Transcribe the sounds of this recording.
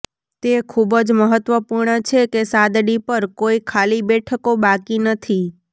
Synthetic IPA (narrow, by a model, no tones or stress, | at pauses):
t̪ekʰubəd͡ʒməɦət̪ʋəpuɾɳət͡ʃʰekesad̪ɽipəɾkoikʰalibɛʈʰəkobakinət̪ʰi